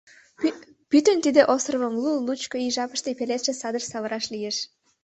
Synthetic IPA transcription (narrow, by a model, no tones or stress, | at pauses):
pyt̪ə̆nt̪id̪eʔost̪rəβəmlulut͡ɕkoiʒɑpə̥ʃt̪epelet̪ʃesɑd̪ərsɑβəɾɑʃlijeʃ